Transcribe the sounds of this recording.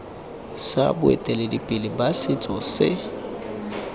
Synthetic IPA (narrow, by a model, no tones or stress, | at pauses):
sa̰bʊɛ̰tʼɛledipʼɪlɪbasɪt͡sʼɔsɪ̰